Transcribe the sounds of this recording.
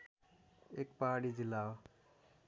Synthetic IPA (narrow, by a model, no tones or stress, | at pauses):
ekpaɦaɽid͡zilːawo